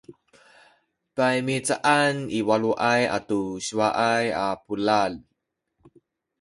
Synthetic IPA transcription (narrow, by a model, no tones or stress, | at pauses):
pajmit͡saʔaniwaluʔaja̰tuɕiwaʔajapulal